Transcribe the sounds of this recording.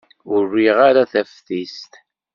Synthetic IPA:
ʊrːiʁaɾaθæfθist̪

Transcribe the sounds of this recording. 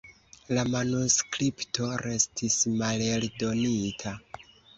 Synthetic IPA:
lamanuskɾipto̞ɾe̞stʰismaleldo̞nitʰa

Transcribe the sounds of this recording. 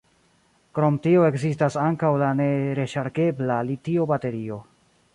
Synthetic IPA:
kɾo̞mtio̞e̞kzistasaŋkawlaneɾe̞ʃaɾke̞blalitio̞bate̞ɾio̞

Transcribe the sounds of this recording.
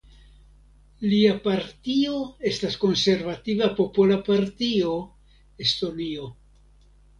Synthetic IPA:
liapaɾtio̞e̞stasko̞nse̞ɾvativapo̞polapaɾtio̞ | esto̞nio̞

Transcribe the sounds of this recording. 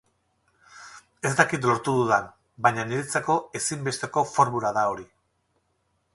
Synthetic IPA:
e̞st̪akit̪lo̞ɾt̪uðuðan | bajɲaniɾet͡sako̞e̞simbe̞st̪e̞ko̞fo̞ɾmulaðao̞ɾi

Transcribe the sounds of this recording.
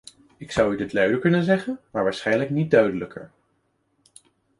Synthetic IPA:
ɪksʌwydɪtlœɥdəɹkɵnənzɛχənmaːɹʋaːɹsχɛjnləknit̚dœɥdələkʰə̰ɹ

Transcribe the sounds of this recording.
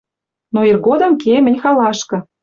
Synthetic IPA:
noirɣod̪ɤ̆mkemɘ̆nʲxɑlɑʃkɤ̆

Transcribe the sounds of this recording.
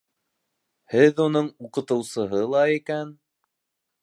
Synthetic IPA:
hɘðunɤɴuqɤ̆t̪ɤ̆wsɤ̆ɦɤlˠɑikæn

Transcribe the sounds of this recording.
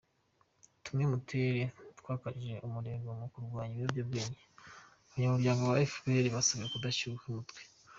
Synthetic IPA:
tumimuteɾetwaːkaʒe̞ʔumuɾe̞ːɡomukuɾɡwaːɲijovjobɡeːɲe | oβaɲamuɾɟaːŋɡowaefbeɾiβasoβiɾekudaʃukumutɡwe

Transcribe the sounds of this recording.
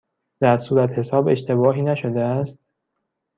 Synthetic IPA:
d̪̥æɾsuːɾæt̪he̞sɒːbe̞̰ʃt̪ʰe̞bɒːɦiːnæʃod̪eæst̪̚

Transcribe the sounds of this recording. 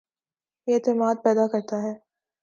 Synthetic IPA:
jeeːt̪ɪmaːd̪̚pɛːd̪akɐɾt̪aɦɛː

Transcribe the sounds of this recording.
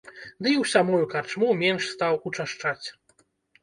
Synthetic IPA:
d̪ɨiwsʲamujukart͡ʂmumʲɛnʂst̪awut͡ʂaʂt͡ʂat͡sʲ

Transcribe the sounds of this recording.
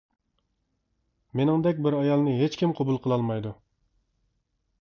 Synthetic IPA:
menɪŋd̪ɛkʲbɪɾɑjɑlˠnɨɦet͡ʃkʲimqʰobulˠqʰəlˠɑlˠmɑjd̪u

